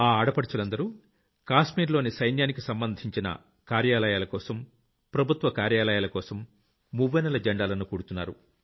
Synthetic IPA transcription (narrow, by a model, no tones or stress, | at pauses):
aːaːɽɐpɐɽut͡ʃulɐnd̪ɐɾu | kaːʃmiːɾlo̞ːnisɐjnjaːnikisɐmbɐnd̪ʱiɲt͡ʃinɐ̰ | kaːɾjaːlɐjaːlɐkɔːsɐm | pɾɐbʱut̪ʋɐkaːɾjaːlɐjaːlɐkɔːsɐmː | uʋːɐnɐlɐd͡ʒɐɳɖaːlɐnukuːɽut̪unːa̰ːɾṵ